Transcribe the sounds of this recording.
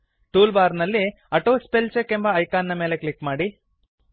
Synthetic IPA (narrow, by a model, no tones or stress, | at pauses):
ʈuːlbaːɾnɐlːi | ɐʈoːspelt͡ʃekembɐːjkaːnːɐmeːleklikmaːɽi